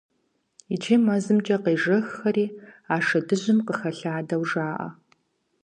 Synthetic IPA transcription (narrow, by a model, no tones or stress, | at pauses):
it͡ʃʰeːmɐzɨmt͡ʃʼɐqeːʒɐxxɐriːaːʂɐdɨʑɪmqəxɐɬaːdɐwʐaːʔɐ̰